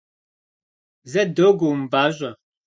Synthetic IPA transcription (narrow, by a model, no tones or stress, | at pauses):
zɛdoɡom̩baʒʷə